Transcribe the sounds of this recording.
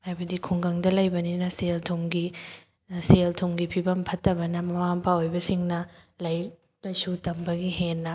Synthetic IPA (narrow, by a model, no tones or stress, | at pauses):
hajbɐdikʰuŋɡɐŋdɐlɐjbɐninɐseltʰomɡi | seltʰomɡipʰibɐmpʰɐtːɐbɐnɐmɐwampʰaojbɐsiŋnɐlɐj | lɐsutɐmbɐɡiɦenːɐ